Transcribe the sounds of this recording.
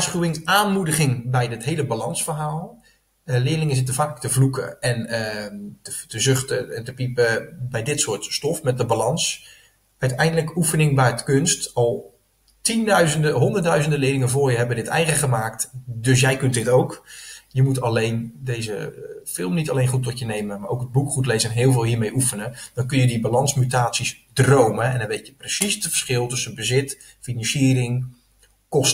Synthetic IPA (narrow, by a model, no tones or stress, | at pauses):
asχywɪŋaːnmudəχɪŋbɛjdɪtɦejləbalɑnsfərɦaːlˠ | lɪːəlɪŋəsɪt̬əfaːkləktəvlukə̰ɛnəətəzøχtəɛntəpipəbɛjdɪtsʊːtstɔfmɛt̚dəbalɑns | œɥtɛjndələkufənɪŋbɛjtkønstɑlˠ | tindœɥzəndəɦɔndərdœɥzəndəlɪːlɪŋənvʊːɹjəɦɛbədɪtɛ̰jχəχəmaːk̚tdøs̬jɛjkɵnt̚dɪtowkjəmutalejndejzəfɪlˠmnitalejnχutɔtjənejməmaːɾʔowkəd̚bukχutlejzənɦɪːəlˠvɪːlˠɦiːmejʔufənəd̥ɔnkɵnjədibalɑnsmytaːsis | drowməɛ̰ndɔnʋejtjəprəsisdtfə̥rsχɪlˠtɵsənbəzɪt | finɑnsiːərɪŋ | kɔs